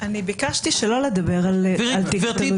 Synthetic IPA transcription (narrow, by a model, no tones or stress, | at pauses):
anibikaʃt̪iʃelo̞led̪abe̞ʁalalt̪ikt̪